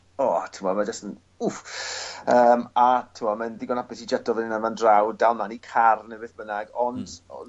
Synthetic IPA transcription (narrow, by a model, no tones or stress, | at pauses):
ɔːtʰɪmɔmad͡ʒastən | uf | əːmatʰɪmɔmanðɪɡɔnapɪsid͡ʒadɔvəninanvandrawdalˠnanikʰarnəvɨθb̥ənaɡɔndɔ̰